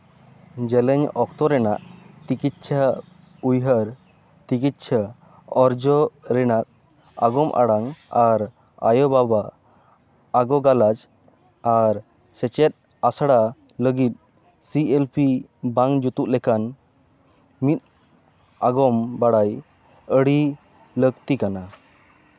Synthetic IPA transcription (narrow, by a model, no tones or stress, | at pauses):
d͡ʒɛlɛɲɔkt̪ɔɾɛna̰ʔt͡ʃikit̪̚t͡ʃʰa | ujɦəɾ | t͡ʃikit̪̚t͡ʃʰa | ɔɾd͡ʒɔɾɛnak̚ | aɡɔmʔa̰ɽaŋaɾ | a̰jɔbaba | ɡɔɡalad͡ʒ | aɾ | sɛt͡ʃɛt̪̚ | asaɽa | ləɡit̪̚ | sielpʰi | baŋd͡ʒut̪uʔlɛkan | mit̪̚ | aɡɔmbaɽaj | əɽi | ləɡt̪ikana